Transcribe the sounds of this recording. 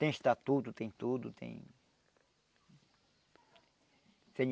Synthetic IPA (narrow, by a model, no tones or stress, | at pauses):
t̪ẽj̃ist̪at̪ut̪ut̪ẽj̃t̪ud̪ut̪ḛ̃j̃ | sẽɲ